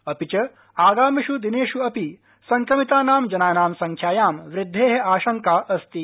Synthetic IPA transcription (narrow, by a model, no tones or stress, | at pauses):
ɐpit͡ʃɐ | aːɡaːmiʃud̪ineːʃuɐpi | sɐŋkɾɐmit̪aːnaːmd͡ʒɐnaːnaːmsɐŋkʰjaːjaːmʋɾɪd̪ʱːeːɦɐaːʃɐŋkaːʔɐst̪i